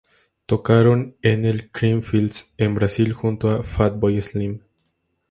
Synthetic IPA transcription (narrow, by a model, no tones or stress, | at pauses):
t̪o̞kaɾonenelkɾiɱfild̪sembɾasilxunt̪oafat̪̚bojeslim